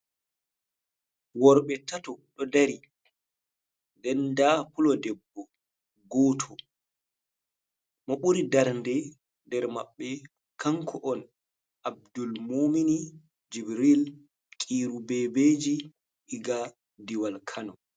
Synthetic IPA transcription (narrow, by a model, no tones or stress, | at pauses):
wɔɾɓɛtatɔɗɔdaɾi | ndɛndapulɔdɛbːɔ | ɡɔːtʰɔ | mɔɓuɾidaɾndɛ | dɛɾma̰ɓːɛ | kʰaŋkʰɔʔɔn | ʔab̚dulmomini | d͡ʒibɾil | kʼiɾubɛbeːd͡ʒi | ɓiɡa | diwalkʰanɔ